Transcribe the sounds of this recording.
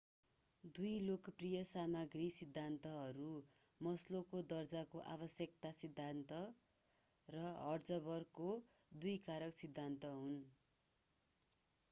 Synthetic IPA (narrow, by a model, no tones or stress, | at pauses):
d̪ujlokprijʌsamaɡrisid̪ʱːant̪ʌɦʌɾu | mʌslokod̪ʌrd͡zakoʔa̰bʌsjʌk̚t̪asid̪ʱːant̪ʌ | rʌɦʌrd͡zʌbʌrko | d̪ujkaɾʌksid̪ʱːant̪ʌɦun